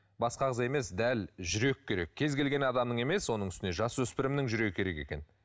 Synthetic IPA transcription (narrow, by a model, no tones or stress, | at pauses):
bɑsqɑʁəze̞me̞sd̪ælʒʏɾe̞kʲʰːe̞ɾe̞kʲʰːe̞zɡʲe̞lɡʲe̞nɑd̪ɑmnəɴe̞me̞swo̞nəɴʏst̪ɪne̞ʒɑswɵspɪɾɪmnɪŋʒʏɾe̞ɡɪkʲʰe̞ɾe̞ke̞̰kʲe̞n